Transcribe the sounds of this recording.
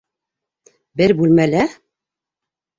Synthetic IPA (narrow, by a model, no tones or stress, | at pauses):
bɘɾbʉlmælæ